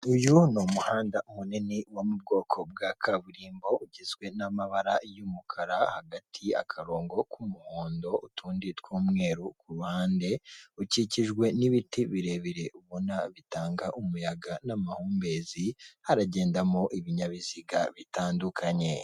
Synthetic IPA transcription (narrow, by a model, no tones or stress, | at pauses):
ujunomuhaːndaʔumuniniwamub̚ɡo̞ːkʰo̞b̚ɡakʰaβuɾiːmbo̞ʔuɟizɡwe̞namaβaɾajumukʰaɾahaɡatʰia̰kʰaɾo̞ːŋɡo̞kʰumuhoːndo̞utʰuːnditwuːmŋe̞ːɾukuɾuhaːnde̞uciciʒɡwe̞niβitiβiɾe̞βiɾe̞uβunaβitaːŋɡaʔumujaɡanamahuːmbe̞ːzihaɾaɟe̞ːndamoʔiβiɲaβiziɡa̰βitaːndukʰaɲe̞